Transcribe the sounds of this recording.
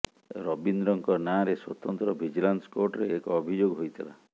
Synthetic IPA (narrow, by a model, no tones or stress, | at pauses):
ɾɔbind̪ɾɔŋkɔnaɾeswɔt̪ɔnt̪ɾɔbʱid͡ʒilanskoɾʈɔɾeːkɔːbʱid͡ʒoɡɦojt̪ʰila̰